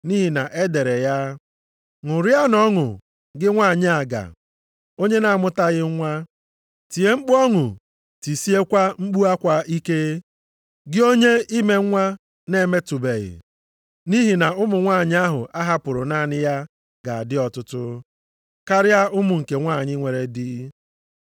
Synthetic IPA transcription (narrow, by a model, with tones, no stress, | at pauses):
ni˦ɦi˨na˨ʔe˦de˨ɾe˨ja˦ | ŋʊ˨ɾja˦nɔ˦ŋʊ̰˨ | ɡɪ˦ŋʷa˦˨ɲɪ˦a˨ɡa̰˨ | o˦ɲe˦na˨mʊ˦ta˦ɣɪ˦ŋʷa˦ | ti˨e˦ŋ͡m̩˦k͡pɔ˦ŋʊ˨ | ti˨si˦e˦kʷa˦ŋ͡m̩˦k͡pu˦a˦kʷa˦i˦ke˦ | ɡɪ˦o˦ɲe˦i˦me˨˦ŋʷa˦ | ne˨˦˨me˦tʊ˨be˨ɣɪ̰˨ | ni˦ɦi˨na˨ʊ˦mʊ˨ŋʷa˦˨ɲ˦a˦ɦʊ̰˨ʔa˦ɦa˦pʊ˨ɾʊ˨na˦˨nɪ˦ja˦ | ɡa̰˨a˨dɪ˦ɔ˨tʊ˦tʊ˦ | ka˦ɾɪ˦a˦ʊ˦mʊ˨ŋ̩˨ke˨ŋʷa˦˨ɲɪ˦ŋʷe˨ɾe˨dɪ˦